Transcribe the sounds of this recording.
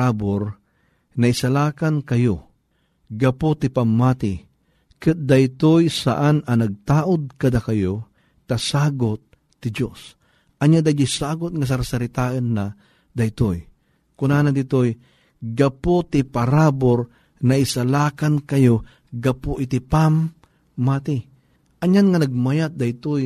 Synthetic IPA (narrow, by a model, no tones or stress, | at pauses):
aboɾ | nɐɪsalaːkankɐjo | ɡɐpot̪ɪpamːaːt̪ɪ | kɨt̪̚d̪ɐjt̪ojsa̰ʔanɐnɐɡ̚t̪aːʔʊd̪̚kɐd̪akɐjo | t̪ɐsaːɡʊt̪̚ː | ɪd͡ʒos | ʔɐɲad̪ajd̪ʊjsaːɡʊt̪̚ŋɐs̬ɐɾsɐɾɪt̪aːʔənːa | d̪ɐjt̪oj | kʊnaːnad̪ɪt̪oj | ɡɐpot̪ɪpɐɾaːboɾ | nɐɪsalaːkankɐjo | ɡɐpoʔɪt̪ɪpamː | aːt̪ɪ | ʔɐɲanŋɐnɐɡ̚majat̪̚d̪ɐjt̪oj